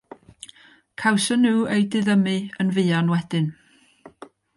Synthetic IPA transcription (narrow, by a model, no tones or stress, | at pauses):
kʰawsənːuːejdɪðəmɨənvɨːanwɛdɨn